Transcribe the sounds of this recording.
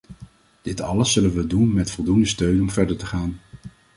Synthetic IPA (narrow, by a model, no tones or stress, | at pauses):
d̥ɪtɑ̰ləsːɵlənʋədunmɛtfɔlˠdundəstøɥnɔmvɛɹdəɹtəχaːn